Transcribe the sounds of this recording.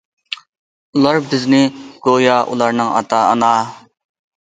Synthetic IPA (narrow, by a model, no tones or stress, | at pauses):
ulˠɑɾbɪznɪɡ̥ojɑʔṵlˠɑɾnɨŋɑ̰t̪ɑ̰ːnɑː